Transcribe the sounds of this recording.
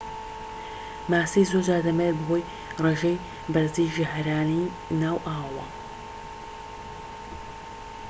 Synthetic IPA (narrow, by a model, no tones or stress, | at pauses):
maːsijzoɾd͡ʒaːɾd̪ɐmeɾbɐɦoːj | reːʒej | bɐɾzijʒɪɦɾaːni | naːwʔaːwɐ̰